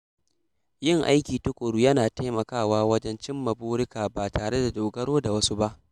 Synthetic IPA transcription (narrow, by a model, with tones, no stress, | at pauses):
jɪ˦˨ŋʔa˦jkʲiː˨ta˦kʷʼo˨ɽuː˦jɐ˦naː˨ta˦jmɐ˨kaː˦˨waː˦wɐ˦d͡ʒɛ˦nt͡ʃɪ˦mːɐ˨buː˦ɽɪ˦kaː˨baː˨taː˨ɽe˦da˨doː˨ɡɐ˦ɽoː˦da˨wɐ˦su˦ba˦ʔ